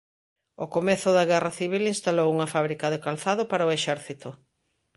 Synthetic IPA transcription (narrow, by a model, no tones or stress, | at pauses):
okomɛθʊðɐɣɛrɐθiβ̞ilinst̪alowuŋɐfaβɾikɐðɪkalθaðopaɾɐoeʃɛɾθit̪ʊ